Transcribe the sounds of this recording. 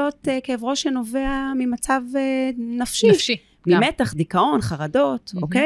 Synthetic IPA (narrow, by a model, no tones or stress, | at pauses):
o̞tekeːvʁo̞ʃeno̞veamimat͡savenafʃiʃi | mimetaχdikao̞nχaʁado̞toke